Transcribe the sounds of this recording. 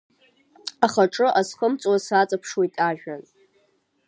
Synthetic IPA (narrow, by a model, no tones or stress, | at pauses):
aχaʈ͡ʂʼɨʔasχəmt͡sʷʼwasat͡sʼapʰʂwojtʼaʒᶣan